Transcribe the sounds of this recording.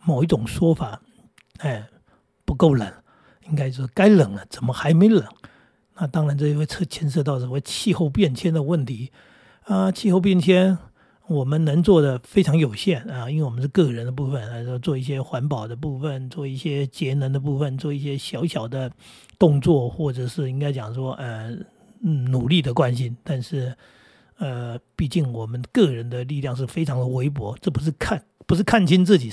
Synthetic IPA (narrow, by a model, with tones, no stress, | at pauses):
mo˨˩ʊi˥˩ʈ͡ʂʊ˨˩ŋʂwɔ˥fa˨˩ | ə˥˩ɪ | pu˧˥ko˥˩ʊlə̰˨˩˦n | i˥ŋka˥ɪt͡ɕjo˥˧ʂɻ̩˥˩ka˥ɪlə˨˩ŋlə˦t͡sə˨˩nmə˦xa˧˥ɪme˧˥˧lə̰˨˩˦ | na˥˧˩t̪ɑ˥ŋɻa˧˥nt͡ɕo˥˧˩jwe˥˩ɪt͡sʰɤ˥˩t͡ɕʰjɛ˥nʂ̬ɤ˥˧t̪ɑ˥˩ʊswɔ˧˩˥we˥˧t͡ɕʰi˥˧xo˥˧ʊpjɛ˥˩nt͡ɕʰjɛ˥nd̪ə˨wə˥˩nt̪ʰi˧˥ | ə˧t͡ɕʰi˥˧xo˥˧ʊp̬jɛ˥˩nt͡ɕʰjɛ˥n | wɔ˨˩mə˦nnə˧˥ŋt͡swɔ˥˩d̪ə˩fe˥ɪʈ͡ʂʰɑ˧˥ŋjo˨˩ʊɕjɛ˥˩nɐ˥˧i˥nwe˥˩wɔ˨˩ə˦˥ʂɻ̩˥˧kɤ˥˩˨ɻə˧˥nd̪ə˧p̬u˥˩fə˨˩na˧˥o˥˩ʂwɔ˥t͡swɔ˥˧i˥˩ɕ̬jɛ˥xwa˧˥npɑ˨˩ʊd̪ə˦p̬u˥˩fə˩nt͡swɔ˥˧i˥˩ɕjɛ˥t͡ɕjɛ˧˥nə˧˥nd̪ə˧pu˥˩fə˨˩nt͡swɔ˥˧i˥˩ɕjɛ˥ɕjɑ˧˥ʊɕjɑ˨˩ʊd̪ə˦ | t̪ʊ˥˧ŋt͡swɔ˥˩xwɔ˥˩ʈ͡ʂɤ˨˩ʂɻ̩˥˩i˥ŋka˥ɪt͡ɕjɑ˨˩ŋʂwɔ˥ʔə˧˥˩ | nu˨˩li˥˩d̪ə˩kwa˦˥nɕi˥nt̪a˥˧nʂɻ̩˥˩ | ə˧pi˥˧t͡ɕi˥˩ŋwɔ˨˩mə˦nkɤ˥˩ɻə˧˦˥nd̪ə˧li˥˧ljɑ˥˧ŋʂ̬ɻ̩˥˩fe˥ɪʈ͡ʂʰɑ˧˥ŋd̪ə˨we˧˥ɪpwɔ˧˥ʈ͡ʂɤ˥˩pu˧˥ʂ̬ɻ̩˥˧kʰa˥˧npu˧˥ʂ̬ɻ̩˥˩kʰa˥˩nt͡ɕʰi˥nt͡sɹ̩˥˩t͡ɕi˨˩